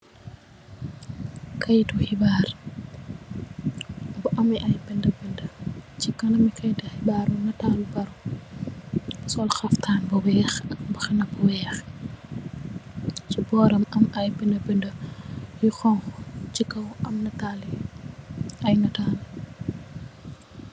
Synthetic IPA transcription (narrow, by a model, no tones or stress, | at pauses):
kʰɐjtuxibaːr | bɐʔɐmɛʔɐjbɛndɐbəndət͡ʃikɐnɐmikɐjtɐhibaːɾɐnɐtaːlubɐɾu | sɔlxɐftʰaːnbɐwɛːxɐkbɐxɐnɐbɔwɛːx | t͡ʃibɔːɾɐmɐmɐjbɛndɐbəndəjuxɔŋxcikːɐwɐmnɐtaːli | ɐjnɐtaːn